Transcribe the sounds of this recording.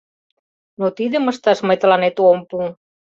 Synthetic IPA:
not̪iðeməst̪asmajt̪lanet̪uompu

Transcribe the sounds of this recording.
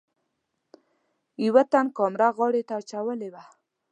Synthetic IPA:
iwat̪ankɔmɾaɣɔɽet̪aːt͡ʃawəlewa

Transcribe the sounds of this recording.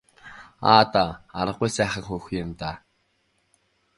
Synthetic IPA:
a̰ːt̪aa̰ɾə̆qːujsæːχə̆kxuːxʊmt̪aː

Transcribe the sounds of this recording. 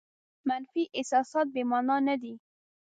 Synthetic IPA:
manfiʔɪsɑsɑt̪̚bemɑnɑnad̪i

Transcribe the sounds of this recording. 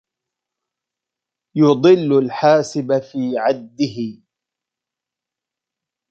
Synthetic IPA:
jɑd̪ˤɨlːʊlħaːsɪbafiːʕad̪ːɪɦɪ

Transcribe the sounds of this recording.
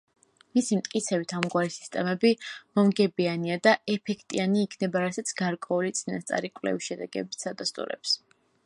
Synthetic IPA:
misimt̪ʼkʼit̪sʰɛbit̪ʰamɡwaɾisi̥st̪ʼɛmɛbimɔmɡɛbianiad̪aɛpʰɛkʰt̪ʼianiːkʰnɛbaɾasat̪sʰɡ̥aɾkʼwɛulit̪sʼinast̪sʼa̰ɾikʼlɛ̰viʃɛd̪ɛɡɛ̰bit̪sʰad̪ast̪ʼṵɾɛ̰ps

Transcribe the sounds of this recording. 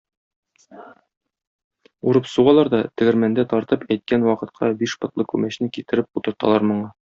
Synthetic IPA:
uɾɤpsuʁɑlˠɑɾd̪ɒt̪ɘ̆ɡɘ̆ɾmænd̪æt̪ɒɾt̪ɤpæjt̪̚kænwɒqɤ̆t̪̚qʰɑbiʃbɤ̆t̪lˠɤkʉmæɕnɘkit̪ɘ̆ɾɘp̚ut̪ɤ̆ɾt̪ɑ̰lˠɑɾmŏɴɑ

